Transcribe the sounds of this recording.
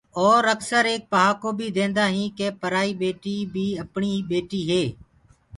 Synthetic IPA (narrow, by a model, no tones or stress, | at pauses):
ɔːɾəksəɾeːk̚pəɦaːkoːbʱiːd̪ẽːnd̪aːɦĩːkeːpəɾaːiːbeːʈiːbʱiːəpɳiːbeːʈiːɦeː